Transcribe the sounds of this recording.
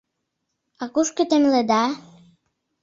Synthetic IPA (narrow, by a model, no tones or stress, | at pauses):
ɑkuʃkĕt̪emlĕd̪ɑ